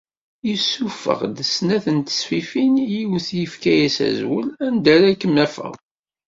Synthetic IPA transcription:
jəsːufə̰ʁd̪əsnæθənt̪ə̥sfifinjiwθjəfkæjæsæ̰zwəlænd̪æɾækːəmːæfə̰ʁ

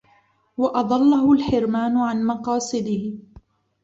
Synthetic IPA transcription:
wɑʔɑd̪ˤɑlːahʊlħɪɾmaːnʊʕanmɑqɑːsˤɨd̪ɪhɪ

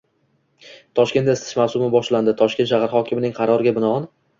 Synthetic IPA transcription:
t̪ʰɒʃkʲe̞nest̪ɪ̥ʃmawsʊmɪbɒʃland̪ɪt̪ʰɒʃkʲe̞n̬ʃaʁaɾχɒkʲʰɪmɪnɪŋqʰɑɾɒɾɪɡʲabɪnɒɒn

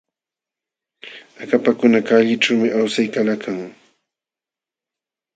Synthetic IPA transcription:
akapakʊnakaʎɪʈ͡ʂawmɪʔawsajkalakʰaŋ

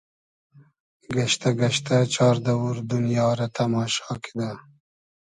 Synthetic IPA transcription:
ɡaʃt̪aɡaʃt̪at͡ʃɑːɾd̪awuɾd̪unjɑːɾat̪ʰamɑːʃɑːki̥d̪a

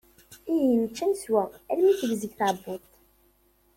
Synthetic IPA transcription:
ijənt͡ʃːænswæælmiθəvzəɡθabːʊt̪ˤ

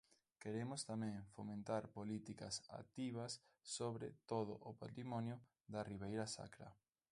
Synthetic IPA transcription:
keɾemʊst̪amɛ̃ŋfomẽnt̪aɾpolit̪ikɐ̰sa̰t̪iβɐsː | oβɾɪt̪oð̞ʊ̰ʔʊpat̪ɾimɔnjʊ | ðɐriβejɾɐsa̰kɾɐ̰

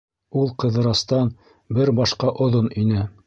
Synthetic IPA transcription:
ulˠqɤ̆ðɤ̆ɾɑst̪ɑn | bɘɾbɑʃqɑʔŏðoninɘ

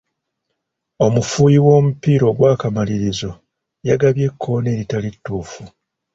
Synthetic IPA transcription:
o̞mufuːjiwo̞ːmupiːɾo̞ːɡwaːkamaliɾizo̞ | jaɡaβje̞kʰːo̞ne̞ːɾitalitːuːfu

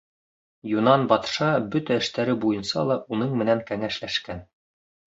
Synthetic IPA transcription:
junɑnbɑt̪ʃɑbɵt̪æɘ̆ʃt̪æɾɘbujɤ̆nsɑ̰lˠɑʔunɤɴmɘ̆næŋkæŋæʃlæʃkæn

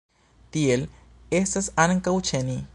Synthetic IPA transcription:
t̪iel | esesaneŋkawt͡ʃeni

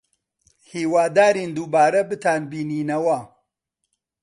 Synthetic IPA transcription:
hiːwaːd̪aːɾiːnd̪uːbaːɾɐbɨt̪ʰaːnbiːniːnɐwɐ

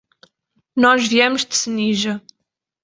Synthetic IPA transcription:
nɔʒviɛmuʒd̪ɨsɨniʒɐ

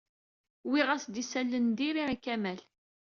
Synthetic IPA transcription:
wiʁæsd̪isælːənd̪iɾiikæmæl

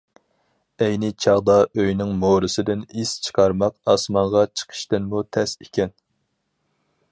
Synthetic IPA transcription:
ɛjnɪt͡ʃʰɑʁd̪ɑøjnɪŋmoɾɨsɨd̪ɪnist͡ʃʰə̥qʰɑɾmɑqɑsmɑɴʁɑt͡ʃʰə̥qʰə̥ʃt̪ɨnmut̪ʰɛsikʲʰɛn

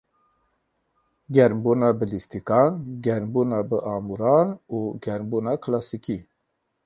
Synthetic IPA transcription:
ɡɛɾmbuːnɑbɨlist̪ikɑːnɡʲɛɾmbuːnɑːbɨʔɑːmuɾɑːnuːɡɛɾmbuːnɑkʰlɑsiki

